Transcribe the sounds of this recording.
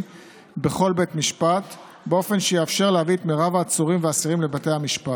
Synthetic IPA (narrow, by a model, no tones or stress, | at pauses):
be̞χo̞lbetmiʃpat | beo̞fe̞nʃejeafʃe̞ʁleavit̪meʁavaːt͡suʁimveasiʁimle̞bate̞jhamiʃpat